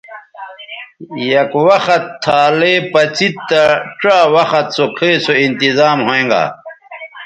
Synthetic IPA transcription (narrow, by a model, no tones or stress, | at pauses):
jɐkwɐxɐt̪ʰːaːlepɐt͡sit̪ːɐʈ͡ʂaːwɐxɐt̪sokʰeːsoint̪izaːmɦoẽːŋɡa̰ː